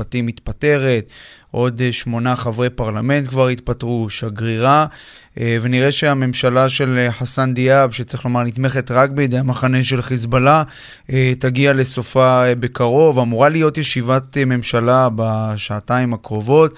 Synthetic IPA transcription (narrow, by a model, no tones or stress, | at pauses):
atimit̪pate̞ʁe̞t̪ʔo̞d̪ʃmo̞naχavʁe̞paʁlame̞nt̚kvaʁit̪patʁuʃaɡʁiʁa | ʔve̞niʁe̞ʃe̞ame̞mʃalaʃe̞lħasand̪ijabʃet͡sʁeχlo̞maʁnit̪me̞χe̞tʁakbed̪ejamaχaneʃe̞lχis̬bala | etaɡiale̞so̞fabe̞kaʁo̞vamuʁalijo̞tjeʃivat̪me̞mʃalabaʃaːtaimakʁo̞vo̞t